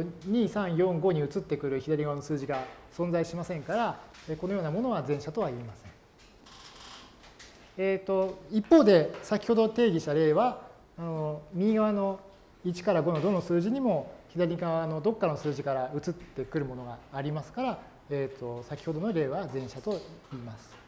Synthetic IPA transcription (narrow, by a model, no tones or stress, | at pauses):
ɲ̟iːsãɰ̃jõ̞ŋɡo̞ːɲ̟iɯ̟t͡sɨt̪ːe̞kɯ̟ɾɯ̟çid̪aɾʲiɡaβano̞sɨːʑiɡasõ̞nd͡zaiɕimasẽ̞ŋkaɾaeːkono̞joːnamo̞no̞βazẽɰ̃ɕat̪o̞β̞aiːmasẽ̞ɴ | eːt̪o̞ipːo̞ːd̪e̞sakʲi̥ho̞d̪o̞t̪e̞ːɡʲiɕt̪aɾe̞ːβaː | nomʲĩɡaβano̞ | it͡ɕi̥kaɾaɡo̞no̞d̪o̞no̞sɨːʑiɲ̟imo̞çid̪aɾʲiɡaβano̞d̪o̞kːaɾnosɨːʑikaɾaɯ̟t͡sɨt̪ːe̞k̟ɾɯ̟mo̞noɡaːɾʲimasɨ̥kaɾa | et̪ʰːo̞sakʲi̥ho̞d̪o̞noɾe̞ːβazẽɕat̪o̞iːmasɨ̥